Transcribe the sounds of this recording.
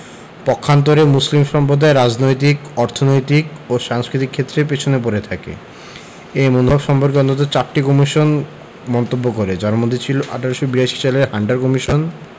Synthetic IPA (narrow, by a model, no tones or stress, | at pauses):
pɔkʰːant̪̬oɾemuslimʃɔmpɾod̪ʱaeɾad͡ʑnojt̪̬ikɔɾt̪ʰonojt̪ikoʃaŋskɾit̪ikʰːet̪ːɾep̬et͡ɕʰonep̬oɾet̪ʰakḛ | ejmonuɦɔbʃɔmpoɾkeɔnt̪ot̪̬ot͡ɕaɾʈikɔmiʃon | mɔnt̪obːokoɾed͡ʑaɾmod̪ʱːet͡ɕʰiloʔa̰ʈʰaɾeʃobiɾaʃi̥t͡ɕaleɾɦaɳɖaɾkɔmiʃon